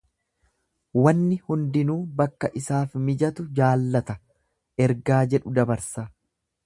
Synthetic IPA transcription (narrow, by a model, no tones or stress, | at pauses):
wɐnːɪhʊnd̪ɪnuːbɐkːɐʔɪsaːfmɪd͡ʒɐt̪ʊd͡ʒaːlːɐt̪ɐ | ʔɛɾɡaːd͡ʒɛᶑʊd̪ɐbɐɾsɐ